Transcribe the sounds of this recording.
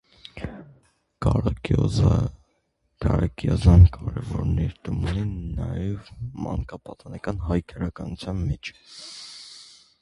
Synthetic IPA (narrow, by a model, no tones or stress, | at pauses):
kɑ | kɑɾɑkjɑzɑnkɑɾɛvɔɾnɛɾt̪umuninːɑjɛvmɑ̰ŋkɑpɑt̪ɑnɑkɑnɦɑjkʰəɾɑkɑnut͡sʰjɑnmɛt͡ʃʰ